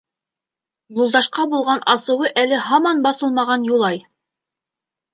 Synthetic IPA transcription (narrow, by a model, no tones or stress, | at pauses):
julˠd̪ɑʃqɑbulˠʁɑnɑsɤ̆wɤʔælɘɦɑmɑnbɑθɤlˠmɑʁɑnjulˠɑj